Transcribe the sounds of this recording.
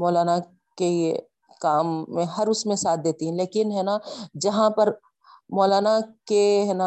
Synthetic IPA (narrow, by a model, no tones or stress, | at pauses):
mɔːlaːna | ke | kaːmːẽɦɐɾʊsmẽsaːt̪̚ʰd̪eːt̪iɦɛ̃leːkɪnɦɛːnad͡ʒɐɦãpɐɾ | mɔːlaːnakeɦɛːna